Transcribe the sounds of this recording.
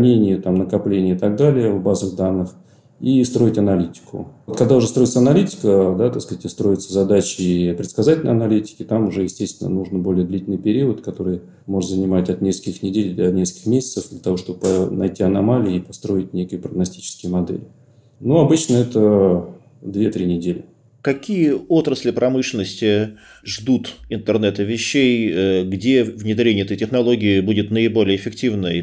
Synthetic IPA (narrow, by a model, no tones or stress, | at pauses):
nʲenʲɪjət̪amnəkɐplʲenʲɪəɪt̪ɐɡ̚d̪alʲɪjəvbazəɣd̪anːɨx | ist̪ɾo̞ɪtʲɐnɐlʲitʲɪ̥kʰʊ̰t̪kɐɡ̚d̪aʊʐɛst̪ɾo̞ɪt̪səɐnɐlʲitʲɪ̥kəd̪at̪ɐskːtʲɪst̪ɾo̞jɪt̪səzɐd̪at͡ɕɪipɾʲɪt̪skɐzatʲɪlʲəjɐnɐlʲitʲɪ̥kʲɪt̪amʊʐɛjɪsʲtʲest̪ʲvʲɪnə̰nuʐnəbo̞lʲɪjəd̪lʲitʲlɨjpʲɪɾʲiət̪kɐt̪o̞ɾɨj | mo̞ʐɨt̪zənʲɪmatʲɐt̪nʲeskəlʲkʲɪxnʲɪdʲelʲd̪ɐnʲeskə̥əkʲɪ̥xmʲesʲɪ̥t̪səfd̪lʲət̪ɐvo̞ʂt̪obəpənɐjtʲiɐnɐmalʲɪipɐst̪ɾo̞ɪtʲnʲekəjəpɾəɡnɐsʲtʲi̥t͡ɕɪ̥skʲɪjəmɐd̪ɛ̰lʲɪ | nuɐbɨt͡ɕnəɛt̪ə | d̪vʲet̪ɾʲinʲɪdʲelʲɪ | kɐkʲijəo̞t̪ɾəsʲlʲɪpɾʔɐmɨʂlʲɪnːəsʲtʲɪ | ʐd̪ut̪ɪnt̪ərnɛt̪əvʲɪɕːejəɡdʲevnʲɪd̪ɾʲenʲɪɛt̪ətʲɪxnɐlˠo̞ɡʲɪɪbudʲɪt̪nəɪbo̞lʲɪjəɪfʲɪktʲivnə